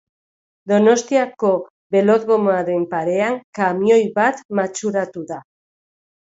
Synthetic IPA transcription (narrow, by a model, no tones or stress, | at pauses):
d̪o̞no̞st̪iako̞ | βe̞lo̞ðɣomaɾe̞mpaɾe̞aŋkamio̞jβat̪mat͡ʃuɾat̪uða